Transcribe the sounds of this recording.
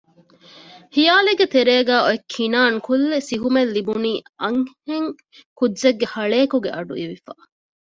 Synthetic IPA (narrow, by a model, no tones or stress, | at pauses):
hijaːleɡet̪eɾeːɡæːoekʰːinaːŋkʰulːesiɦumelːibuniːɐŋheŋ | kudzɐɡːehɐɭeːkuɡeʔɐɖuiʋifa